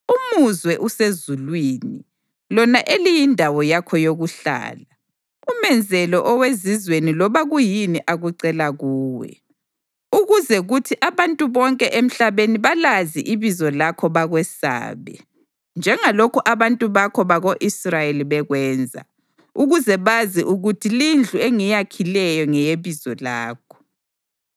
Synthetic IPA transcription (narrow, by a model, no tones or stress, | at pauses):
umuzwɛʔusezulwiːni | lɔnaʔelijindʱawɔjakʰɔjoɣuɬa̰ːla | umɛnd͡zʱɛlɔʔɔwezizwenilɔβaɣujiniʔaɣuǀɛlaɣuːwɛ̰ | uɣuzɛɣutʰiʔaβantʼuβɔŋkʼɛʔem̩ɬaβeniβalazḭʔiβizɔlakʰɔβaɣwɛsa̰ːβɛ̰ | nd͡ʒʱɛŋalokʰuʔaβantʼuβakʰɔβaɣoʔisrajeliβɛɣwɛːnd͡zʱa̰ | uɣuzɛβaziʔuɣutʰilind͡ɮʱueŋijakʰilɛjɔŋɛjeβizɔlaːkʰɔ̥